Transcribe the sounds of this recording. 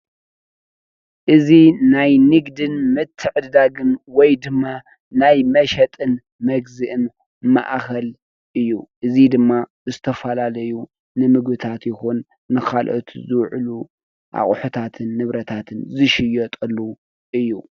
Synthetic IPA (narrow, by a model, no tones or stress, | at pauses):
ʔɨzinajnɨɡd̪ɨnmɨt̪ʰːɨʕɨd̪d̪aɡɨnwɔjd̪ɨmːa | najmɐʃɐt̪ʼɨn | mɐɡzɨʔɨn | ma̰ʔkɐl | ʔɨjːuʔɨzid̪ɨmːa | zɨt̪ʰɐfɐlalɐju | nɨmɨɡbɨt̪ʰat̪jɪxunː | ɨxalʔo̰t̪zɨwʕlu | ʔa̰χʼħut̪ʰat̪ʰɨnːɨβɾɐt̪ʰat̪ʰɨnzɨʃɪjɔt̪ʼɐlːu | ʔɨjːu